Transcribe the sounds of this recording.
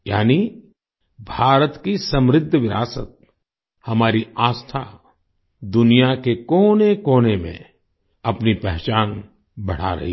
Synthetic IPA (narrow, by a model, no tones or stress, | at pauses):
ja̰ːni | bʱaːɾət̪kisɐ̃mɾɪd̪ʱːəʋɪɾaːsə̰t̪̚ | hɐmaːɾiaːst̪ʰa | d̪ʊnijakekoːnekoːnemḛ̃ | ɐpnipɛɦt͡ʃaːn | bɐɽ̤a̰ɾɐ̰ɦi